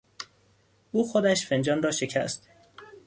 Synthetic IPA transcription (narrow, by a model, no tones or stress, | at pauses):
ʔuːxod̪æʃfe̞nd͡ʒɒːnrɒːʃe̞cʰæ̰st̪